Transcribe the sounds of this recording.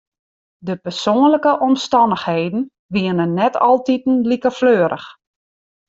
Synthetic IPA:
dəpɛrsoːənləkəʔɔmstɑndəxheːdn̩ | ʋiənənːɛtʰɑ̰lˠtitn̩likərfløːɾʔə̰x

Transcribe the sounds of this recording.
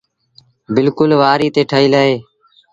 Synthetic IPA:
bɪlkʊlʋaːɾiːt̪eːʈʰəːiːləːɦeː

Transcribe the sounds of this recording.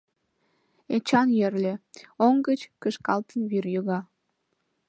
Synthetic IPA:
et͡ɕɑnjerlʲĕoŋɡət͡ɕkəʃkɑlt̪ənβyrjøɣɑ

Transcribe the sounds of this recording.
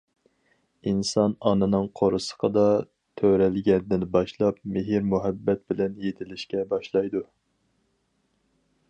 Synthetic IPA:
insɑnɑnɨnɨŋqʰoɾɨsə̥qʰəd̪ɑ | t̪ʰøɾɛlɡʲɛnd̪ɪnbɑʃlˠɑpmɪɦiɾmuɦɛbːɛt̪̚bɪlɛnjet̪ʰɪlɪʃkʲɛbɑʃlˠɑjd̪u

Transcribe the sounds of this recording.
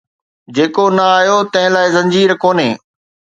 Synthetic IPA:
d͡ʑeːkonɐaːjot̪ɐ̃ɦɪ̃laːɪzɐ̃ɲd͡ʑiːɾkoːneː

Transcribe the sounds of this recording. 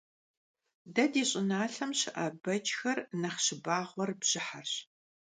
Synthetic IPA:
dɐdiːɕʼɪnaːɬɐmɕɪʔɐbɐd͡ʒʼxɐrnɐχɕɪbaːʁʷɔrbʑ̥ɪħarɕ

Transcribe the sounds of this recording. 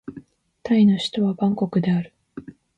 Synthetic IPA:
t̪aino̞ɕi̥t̪o̞βabãŋko̞kɯ̟d̪e̞aɾɯ̟

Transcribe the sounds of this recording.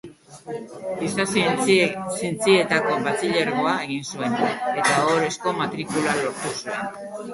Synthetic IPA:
isas | sint͡sie̞t̪ako̞βat͡siʎeɾɣo̞aeɣ̞insue̞ne̞t̪aoɾe̞sko̞mat̪ɾikulalo̞ɾt̪usue̞n

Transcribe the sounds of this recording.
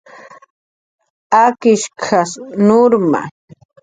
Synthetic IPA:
akɪʃkʰasnʊɾma̰

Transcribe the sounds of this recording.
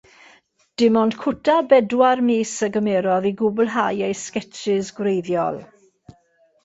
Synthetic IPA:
d̥ɪmɔnd̥kʰʊtʰabɛdwarmeːsəɡəmɛːɾɔðiɡʊblˠɦajejskɛt͡ʃɪzɡwɾejðjɔ̰lˠ

